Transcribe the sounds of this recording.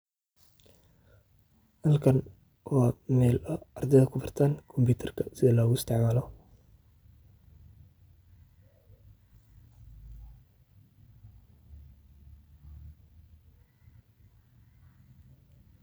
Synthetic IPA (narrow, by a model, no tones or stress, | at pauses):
hɐlkʰɐn | wʔɑːmɛːlʔɐɐrd̪ɛjðɐkʰʊfɐrt̪ʰaːnkʰɔmbuːt̪ʰɐrkʰɐsɪðɐlɔːɣʊɪst̪ʰɛʕmaːlɔ